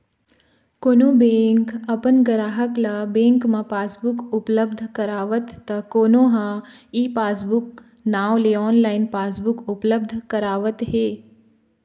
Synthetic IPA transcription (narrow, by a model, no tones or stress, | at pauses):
koːnoːbẽːŋkɐpənɡəɾaːɦəklabẽːŋkmãpaːsbʊkʊpləbd̪ʱkɐɾaːʋət̪ːɐkoːnõɦãiːpaːsbʊk̚ | naːwleɔːnlaːɪnpaːsbʊkʊpləb̚d̪ʱkɐɾaːʋət̪ɦeː